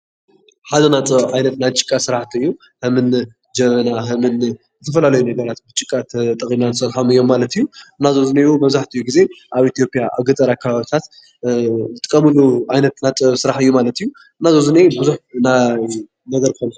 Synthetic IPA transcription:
ħazɐnat͡s̪ʼɐβʕajnɐt̪najt͡ʃʼɨ̥kʼːasɨɾaħt̪ʰiɨjːu | hɨmɨn | d͡ʒɐβɐnaɦɨmɨn | zɨt̪ʰɐfɐlalɐjunɐɡɐɾat̪bɨt͡ʃʼɨkʼːat̪ʰt̪ʼɐχʼinanɨsɐt̪ħomɨjːo̞mːalɐt̪ijːuɨnːazozɨnejubɐβzaħt̪ʰiɨjːuɡize̞ʔaβit̪ʰijo̞pʼijaʔaβɡɐt̪ʼɐɾakʰːaβaβit̪ʰat̪ | zɨt̪ʼɨkʼːɐmɨluʕajnɐt̪nat̪ʼɐβsɨɾaħɨjːumalɐt̪ijːu | ɨnːazozɨnebɨzuħnaj | nɐd̪ɐɾkʰɨkon

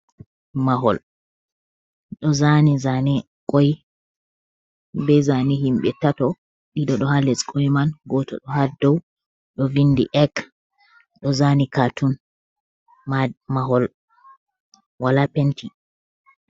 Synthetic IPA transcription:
maɦɔ̰l | ɗɔzanizanɛ | kʼɔj | bɛzanihimɓɛtatɔ | ɗiɗɔɗɔhalɛskʰɔjmanɡɔtɔ̰ɗɔhaldɔw | ɗɔvindḭʔɛk | ɗɔzanikatun | mamaɦɔl | walapentʰi

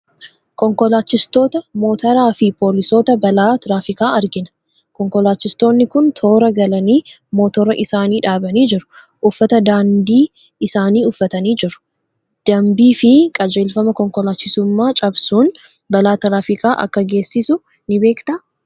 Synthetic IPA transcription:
kɔŋkɔlaːt͡ʃːɪst̪o̞ːt̪ɐmo̞ːt̪ɐɾaːfɪpo̞ːlɪso̞ːt̪ɐbɐlaːt̪ɾaːfɪkaːɐɾɡɪnɐ | kɔŋkɔlaːt͡ʃːɪst̪o̞ːnːɪkʊnt̪ʰo̞ːɾɐɡɐlɐniːmo̞ːt̪ɔɾɐʔɪsaːniːᶑaːbɐniːd͡ʒɪɾʊ̥ | ʔʊfːɐt̪ɐd̪aːnd̪iː | ɪsaːniːʊfːɐt̪ɐniːd͡ʒɪɾʊ̥ | d̪̥ɐmbiːfɪkʼɐd͡ʒe̞ːlfɐmɐkɔŋkɔlaːt͡ʃːɪsʊmːaːt͡ʃʼɐbsuːn | bɐlaːt̪ɐɾaːfɪkaːʔɐ̰kːɐɡe̞ːsːɪsʊ | nɪbe̞ːkt̪ɐ

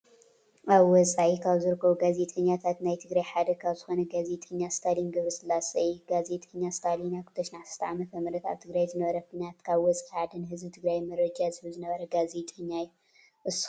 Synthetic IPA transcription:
ʔaβwɔt͡sʼaʕikʰaβzɨɾɨkʰːɐβuɡaze̞t̪ʼɐɲːat̪ʰat̪najt̪ʰɨɡɾajħad̪ɐkʰaβzɨxonɐɡaze̞t̪ʼɐɲːast̪ʰalinɡɨβɾisɨlːasɐjuɡaze̞t̪ʼɐɲːast̪ʰalinakʰu̥t̪ʰɐʃnaʕsɨ̥st̪ʰaʕamɐt̪ʰɐmɾɐt̪a̰βt̪ʰɨɡɾajzɨnɐβɐɾɐfinat̪kʰaβwɔt͡sʼiad̪ɨnhɨzbit̪ʰɨɡɾajmɐɾɐd͡ʒazɨhɨβzɨnɐβɐɾɐɡaze̞t̪ʼɐɲːaju | ʔɨsː

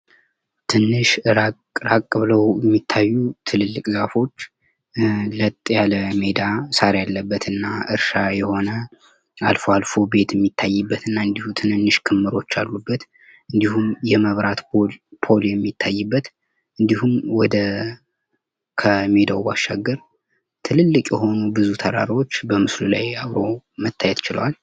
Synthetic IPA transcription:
t̪ʰɨnːɨʃɾa | ɾakʼːɨβɨləwjɛmːit̪ʰːajːut̪ʰɨlɨlːɨkʼzafo̞t͡ʃː | lət̪ʼːjaləme̞d̪asaɾjalːəbːət̪ʰɨnːaɨɾʃajɛho̞nə | a̰lfoalfo̞be̞t̪jɛmːit̪ʰːajːɨbːət̪ɨnːaɨnd̪ihut̪ʰɨnɨnːɨʃkʰɨmːɨɾo̞t͡ʃːalːubːət̪ | ɨnd̪ihumjɛməβɾat̪pʰo̞ljɛmːit̪ʰːajːɨbːət̪ | ʔɨnd̪ihumwɔd̪ə | kʰəme̞d̪awwaʃːaɡːəɾ | t̪ʰɨlɨlːɨkʼjɛɦo̞nubɨzut̪ʰəɾa̰ɾiwo̞t͡ʃːbəmɨslulajaβɾo̞mət̪ʰːajɛt̪t͡ʃɪlə̰wal

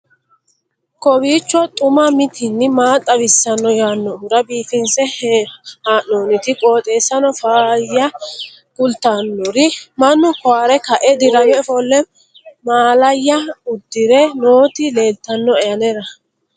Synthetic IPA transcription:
kɔbiːt͡ʃːɔt̪ʼʊmɐmɪt̪ʰɪnːɪmaːt̪ʼːɐwɪsːɐnːɔjaːnːɔʊɾɐbiːfɪnsɛ | haːʔnoːnɪt̪ɪkʼo̞ːt̪ʼe̞ːsːɐnɔfaːjːɐ | ɡʊlt̪ːanːɔɾɪmɐnːʊkɔwaːɾɛkɐʔɛd̪ɪɾɐwɛfɔlːɛ | maːlɐjːɐʊd̪ːɪɾɛnoːt̪ɪleːlt̪ːɐnːɔɛjɐnɛɾɐ

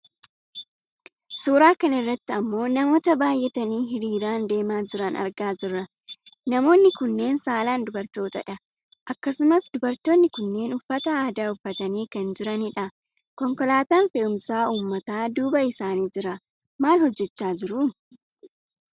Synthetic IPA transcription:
suːɾaːkɐnɪrːɐt̪ːɪɐmːo̞ːnɐmo̞ːt̪ɐbaːjʔɛt̪ɐniːɦɪɾiːɾaːnd̪e̞ːmaːd͡ʒɪɾɐnɐ̰ɾɡaːd͡ʒɪrːɐ | nɐmo̞ːnːɪkʊnːe̞ːnsaːlaːnd̪ʊbɐɾt̪o̞ːt̪ɐᶑɐ | ʔɐkːɐsʊmɐsd̪ʊbɐɾt̪o̞ːnːɪkʊnːe̞ːnʊfːɐt̪ɐaːd̪aːʊfːɐt̪ɐniːkɐnd͡ʒɪɾɐnɪᶑɐ | kɔŋkɔlaːt̪aːnfɛʊmsaːuːmːɐt̪aːd̪uːbɐɪsaːniːd͡ʒɪɾɐ | maːlhɔd͡ʒːɛt͡ʃːaːd͡ʒɪɾʊ

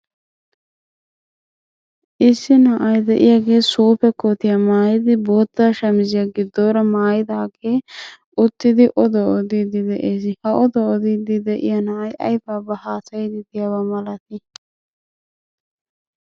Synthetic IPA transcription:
ɪsːinɐʔɐjd̪ɛʔɪ̰jɐɡeːsuːpɛkːot̪ijɐmaːjid̪iboːt̪ːaːʃɐmɪzijɐɡid̪oːɾɐmaːjid̪aːɡeː | ut̪ːid̪iʔɔd̪ɔʔːd̪id̪id̪ɛʔesihɐʔɔd̪ɔɔd̪id̪id̪ɛʔḭjɐnɐɐjɐ̰jbaːbɐhaːsɐjd̪id̪ijɐwɐmɐlɐt̪i

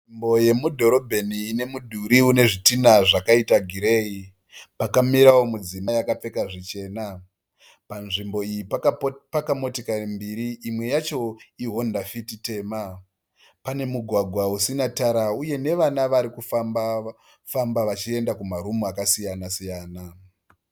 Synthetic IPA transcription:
imbo̞je̞mudʱo̞ɾo̞bʱe̞niːne̞mudʱuɾiune̞ʐitinaʐakaitaɡʱiɾe̞ːi | pakamiɾawo̞mud͡zimajakap͡fe̞kaʐit͡ʃe̞ːna | panʐimbo̞ijippakamo̞tikarimbiɾiʔːmwe̞jat͡ʃo̞iɦo̞ndafitite̞ːma | pane̞muɡʱwaɡʱwausinataɾauje̞ne̞ʋanaʋaɾikufamba | fambaʋat͡ʃie̞ndakumaɾumuakasijanasijaːna

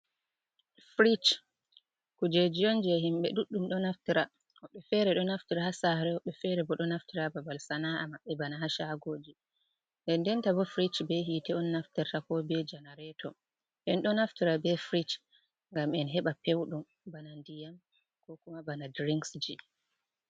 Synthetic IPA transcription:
fɾit͡ʃ | kud͡ʒed͡ʒijɔnd͡ʒɛhimɓɛ̰ɗuɗːumɗɔnaftiɾa | hɔɗɛfɛɾɛɗɔnaftiɾahasaɾɛɔɗɛfɛɾɛbɔɗɔnaftiɾababalsanaʔamaɓːɛbanaɦaʃaɡoːd͡ʒi | ɛndɛntabɔfɾit͡ʃbɛɦitɛɔnːaftɛɾtakɔbɛd͡ʒanaɾɛtʰɔ | ʔɛnɗɔnaftiɾabɛfɾit͡ʃ | ŋɡamɛnɦɛɓapewɗum | banandijam | kɔkumabanadɾiŋksd͡ʒi

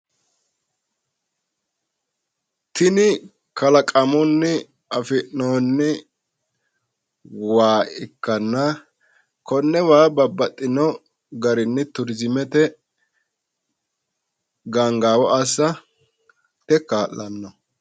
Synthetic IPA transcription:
t̪ɪnɪ | kɐlɐkʼɐmɔnːɪ | ɐfɪʔnoːnːɪ | waːɪkːɐnːɐ | kɔnːɛwaːbɐbːɐt̪ʼːɪnɔ | ɡɐɾɪnːɪt̪ʊɾzɪmɛt̪ɛ | ɡaŋɡaːwɔʔasːɐ | t̪ɛkaːlːɐnːɔ

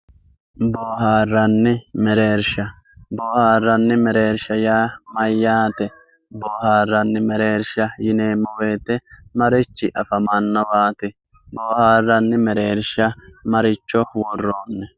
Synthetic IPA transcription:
boːɦaːrːɐnːɪmɛɾe̞ːɾʃɐ | boːhaːrːɐnːɪmɛɾe̞ːɾʃɐjaːmɐjːaːt̪ɛ | boːhaːrːɐnːɪmɛɾe̞ːɾʃɐjɪne̞ːmːɔwe̞ːt̪ɛmɐɾɪt͡ʃːɪʔɐfɐmɐnːɐwaːt̪ɛ | boːhaːrːɐnːɪmɛɾeːɾʃɐmɐɾɪt͡ʃːɔwɔrːo̞ːnːɛ

